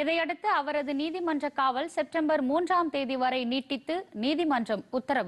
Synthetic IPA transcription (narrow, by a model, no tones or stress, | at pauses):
ɪðɐɪɐɽɯt̪ːɯɐʋɐɾɐðɯniːðɪmɐndrɐkːaːʋɐlsɛp̚ʈɐmbɐɾmuːndraːmt̪eːðɪʋɐɾɐɪniːʈːɪt̪ːɯniːðɪmɐndrɐmʊt̪ːɐɾɐʋɯ